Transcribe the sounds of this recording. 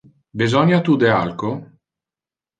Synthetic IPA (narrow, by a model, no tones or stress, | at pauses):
bizɔɲat̪ud̪ealko